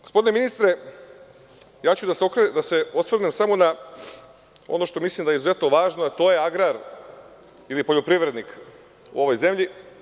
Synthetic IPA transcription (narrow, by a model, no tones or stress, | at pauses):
ɡ̥ospo̞d̪ineinist̪ɾe | jaːt͡ɕud̪aseokɾd̪ase̞osʋr̩nemsamona | o̞̰no̞ʃt̪o̞mislˠimd̪ajeizuze̞t̪no̞ʋaːʒnoat̪o̞ːjeaɡɾaɾ | ilipo̞ʎopɾiʋɾe̞d̪nik | ṵo̞ʋojze̞mʎi